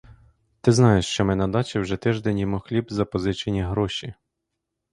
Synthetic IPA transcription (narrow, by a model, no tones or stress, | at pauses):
t̪ɪznɑjeʃt͡ʃɔmɛnɐd̪ɑt͡ʃɪwʒɛt̪ɪʒd̪ɛnʲjɔmuxlʲibzɐpɔzɪt͡ʃenʲiɦɾɔʃʲi